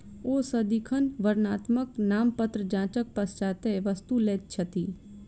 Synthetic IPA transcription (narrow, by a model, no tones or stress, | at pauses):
oːsəd̪ikʰənʋəɾnaːt̪məknaːmpət̪ɾəd͡ʒãːt͡ʃək̚pɐst͡ʃaːt̪eʋəst̪uleːt̪̚t͡ʃʰɐt̪iː